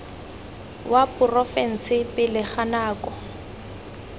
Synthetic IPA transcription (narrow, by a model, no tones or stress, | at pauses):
wapʊrɔfɛn̩sɪpɪlɪχanaːkɔ